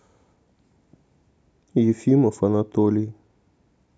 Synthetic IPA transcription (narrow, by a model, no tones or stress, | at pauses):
jifimə̃fanãt̪oli